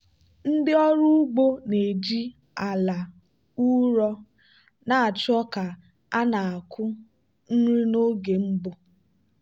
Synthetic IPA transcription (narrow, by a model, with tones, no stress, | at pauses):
n̩˦dɪ˦ɔ˦ɾʊ˦ɡ͡bo˦ne˨d͡ʒi˦ | a˨la˨ | u˦ɾɔ˦ | na˨a˨t͡ʃɔ˦ka˨ | a˦na˨a˨kʰʊ˦ | n̩˦ɾi˦no˦ɡe˨m̩˦bʊ˦